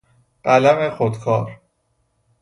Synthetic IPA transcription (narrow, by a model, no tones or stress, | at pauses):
ɢ̥ælæmexod̪kʰɒːɾ